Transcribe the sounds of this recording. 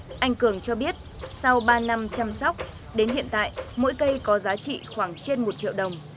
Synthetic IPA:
ʔa˧jŋ̟kɨ˧˩əŋt͡ɕɔ˧ɓi˦˥ət̚sa˧wɓaː˧na˧mt͡ɕa˧msɔ˦˥wk͡p̚ | ɗe˨˦nɦḭ˧˨ənt̪a̰ː˧˨jmo̰˧˥jkə˧jkɔ˨˦zaː˨˦t͡ɕḭ˧˨xwaː˧˩ŋt͡ɕe˧nmo˨˩t̚t͡ɕḭ˧˨əwɗə˨˩wŋ͡m

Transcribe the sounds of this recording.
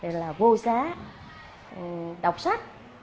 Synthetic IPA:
e˨˧˩laː˨˩vo˧saː˨˦˨ | ɗa˨˩wk͡p̚sa˦˥k̚

